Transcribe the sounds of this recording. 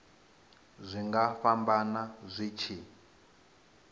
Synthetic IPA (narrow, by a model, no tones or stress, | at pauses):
zʷiŋɡafambanazʷit͡ʃʰi